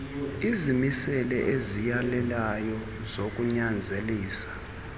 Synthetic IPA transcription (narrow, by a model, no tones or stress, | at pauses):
izimisɛlɛʔezijalɛlajɔ | zok̬ʼuɲand͡zʱeliːsḁ